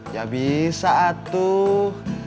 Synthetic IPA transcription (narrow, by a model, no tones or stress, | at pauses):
jabisaʔat̪ːu